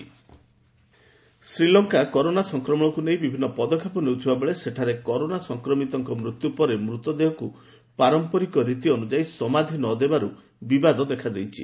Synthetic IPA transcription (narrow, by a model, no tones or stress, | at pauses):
sɾilɔŋkakɔɾonasɔŋkɾɔmɔ̃ɔkunej̃bibʱinːɔpɔd̪ɔkʰːjepɔnewt̪ʰibabeɭeseʈʰaɾekɔɾonasɔŋkɾɔmit̪ɔŋkɔmɾut̪jupɔɾemɾut̪ɔd̪eɦɔku | paɾɔmpɔɾikɔɾit̪iɔnud͡ʒaisɔmad̪ʱinɔd̪ebaɾu | bibad̪ɔd̪ekʰad̪ejt͡ʃʰḭ